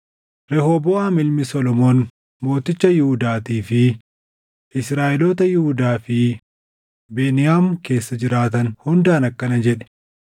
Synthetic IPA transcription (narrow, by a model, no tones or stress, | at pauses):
ɾɛhobɔːamɪlmɪsɔlɔmoːn | mo̞ːt̪ɪt͡ʃːɐjɪhʊd̪aːt̪iːfɪ | ʔɪsɾaːʔɛloːt̪ɐjɪhʊd̪aːfɪ | be̞ːnɪjaːmke̞ːsːɐd͡ʒɪɾaːt̪ɐnhʊnd̪aːnɐkːɐnɐd͡ʒɛᶑɛ̥